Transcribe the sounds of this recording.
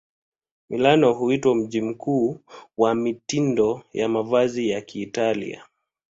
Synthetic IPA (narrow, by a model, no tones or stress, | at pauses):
milanɔɦuitwam̩ʄim̩kuːwamitindɔjamavazijakiːtalḭa̰